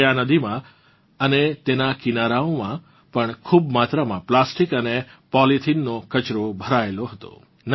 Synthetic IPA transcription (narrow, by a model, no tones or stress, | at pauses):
janəd̪imã | ənet̪enakinaɾaõmã | pəɳkʰubmat̪ɾəmãplasʈikənepɔlit̪ʰinːokət͡ʃɾobʱəɾaeloɦət̪o̰ | n